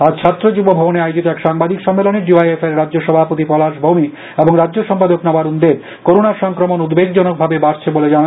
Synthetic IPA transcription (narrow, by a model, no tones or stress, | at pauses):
ad͡ʑt͡ɕʰat̪ːɾod͡ʑubobʱɔboneajod͡ʑit̪oɛkʃaŋbad̪ikʃɔmːeloneɖiajefeɾɾadd͡ʑoʃɔbʱapot̪ipɔlaʃbʱomi | eboŋɾadːd͡ʑoʃɔmpad̪oknɔbaɾund̪eb | koɾonaɾʃɔŋkɾomonud̪beɡd͡ʑɔnok̚bʱabebaɾt͡ɕʰeboled͡ʑaa